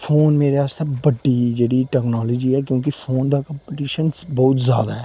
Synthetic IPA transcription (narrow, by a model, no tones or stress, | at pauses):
pʰoːnmeːɾeaːst̪eːbəɖːid͡ʒeːɽiːʈɛːknaːləd͡ʒiːɛːkjõːk̬ifʰoːnd̪aːkə̃mpəʈiːʃənsbɔːʊt̪zja̰ːd̪aːɦɛː